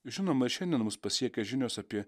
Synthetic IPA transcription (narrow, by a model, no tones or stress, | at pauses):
ʒʲɪnoːmɐɪɾʃʲɛnʲd̪ʲiɛnmʊspɐsʲiɛkʲɛʒʲɪnʲoːsɐpʲiɛ